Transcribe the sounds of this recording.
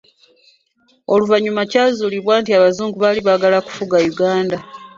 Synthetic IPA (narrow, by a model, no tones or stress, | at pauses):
o̞luvaɲumacaːzuːliβwaːntiaβazuːŋɡuβaliβaɡalaku̥fuɡajuɡaːnda